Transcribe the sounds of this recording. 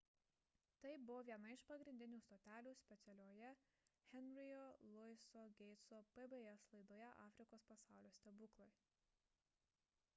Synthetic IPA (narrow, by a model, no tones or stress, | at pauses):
t̪ɐɪbʊʋoːʋʲiɛnɐɪʃpɐɡɾʲɪnʲd̪ʲɪnʲuːst̪oːt̪ʲæːlʲuːsʲpʲɛt̪sʲɛlʲoːjɛ | xʲɛnʲɾʲɪjolˠʊɪsoɡʲɛɪt̪soːpɛbeɛslˠɐɪd̪oːjɛʔɑ̰ːfʲɾʲɪkoːspɐsɑˑʊlʲoːsʲt̪ʲɛbʊklˠoɪ